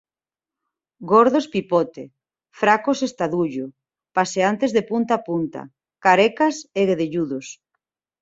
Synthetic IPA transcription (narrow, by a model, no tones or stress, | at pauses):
ɡɔɾðospipɔt̪e | fɾakosest̪aðuʎʊ | paseant̪ezðepunt̪apunt̪a̰ | kaɾekaseɣeðeʎuðos